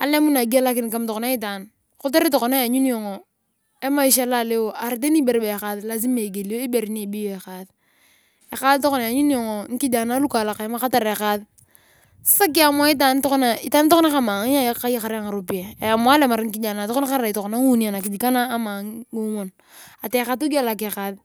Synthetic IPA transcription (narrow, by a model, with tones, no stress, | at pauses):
a̰˨le˦mu˦na˨ɡi˦a˦la˦kɪ˦nka˦mtɔ˨kɔ˨na˦i˦t̬a˨n | kʊ˦ta˦ɾi˦tɔ˨kɔ˨na˦˨ɲu˦n˦jɔ˨ŋɔ˨ | e˦ma˦i˦ʃ̬a˦la˦˨le˦wo˨ʔa˨ɾt̬e˦ni˦be˨ɾbe˨ka˨ðla˨z̬i˦me˨ɡe˨li˨jo˦i˦be˨ɾi˦ni˦˨bi˦jo˦e˨ka˨ð | e˨ka˦ðtɔ˦kɔ˦na˨ja˨ɲu˦n˦jɔ˨ŋɔ˨ŋ̩˦ki˦d͡ʒa˨na˦lu˦ka˨la˨ka˨jma˦ka˦ta˨ɾe˨ka˦ð | ssa˦k̬i˦a˨mwa˦i˦t̬a˨n˦tɔ˦kɔ˦na˨i˦ta˦n˦tɔ˦kɔ˦na˦ka˨ma˨ŋ˦a˦ja˦ka˦ji˦ka˨ɾa˦ŋa˨ɾo˦pi˨a˨e˨a˨mwa˦le˦ma˨ɾŋ̩˦ki˦d͡ʒa˨na˨tɔ˦kɔ˦na˦ka˦ɾa˦ɾa˨i˨tɔ˨kɔ˨na˦ŋu˦ni˦a˨na˨ki˨d͡ʒi˨ka˦naː˦ma˨ŋɡo˦mo˨n | a˨te˨˦ka˨˦tu˦ɡa˦˨la˨kːka˨ð